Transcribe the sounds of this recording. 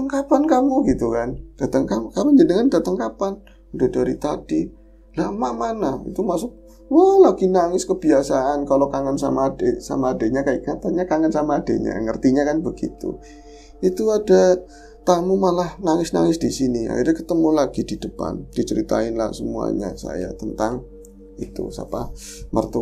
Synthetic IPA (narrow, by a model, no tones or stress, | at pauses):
t̪əŋkapankamuɡit̪ukand̥at̪aŋkamkamad͡ʒənəŋandat̪əŋkapan | udadaɾit̪adi | lamaʔmanaḭt̪umasʊk̚ | walaɡinaŋɪskəbiasaʔankalokaŋansa̰maːdesa̰maːdaɲakaaʔkat̪aɲakaŋansamaːda̰ɲa̰ŋərt̪iɲakanbəɡḭt̪ṵ | it̪uada | t̪amumalahnaŋɪsna̰ŋɪsdisinia̰hirɲakət̪əmulaɡ̥idid̥əpa̰nd̥it͡ʃəɾit̪aɪnla̰hsəmua̰ɲa̰sa̰ja̰t̪ənt̪aŋ | it̪ṵsa̰pa | mərt̪u